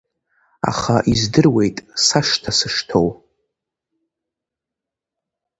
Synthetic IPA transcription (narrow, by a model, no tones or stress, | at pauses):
a̰χaʔizdɨrwe̞jtʼsaʂtʰasɨʂtʰo̞w